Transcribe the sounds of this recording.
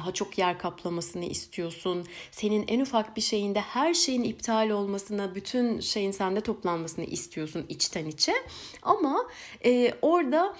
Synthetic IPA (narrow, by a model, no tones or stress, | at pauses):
aɦat͡ʃʰo̞kjæɾkʰaplˠamasɯnɯʔḭst̪ʰijo̞sunse̞ninænufakbiʃe̞jind̪ɛhæɾʃe̞jinip̚t̪ʰaːlʲo̞lˠmasɯnabyt̪ʰynʃe̞jinsænd̪ɛt̪ʰo̞plˠanmasɯnɯ̰ʔist̪ʰijo̞sunit͡ʃt̪ʰɛnit͡ʃʰɛ | ama | ɛːo̞ɾd̪a